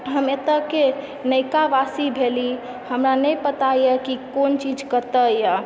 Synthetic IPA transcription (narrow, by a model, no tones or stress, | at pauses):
ɦəmet̪əke | nəjkaʋasibʱeli | həmɾanəjpət̪ajəkikont͡ʃid͡ʒkəɾt̪əja